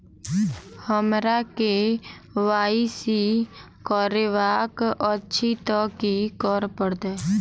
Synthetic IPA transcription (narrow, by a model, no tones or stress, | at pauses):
həmɾakeʋaːisi | kɔɾeʋaːkʔətːʃʰit̪ɔːkikɔɾpəɽd̪eː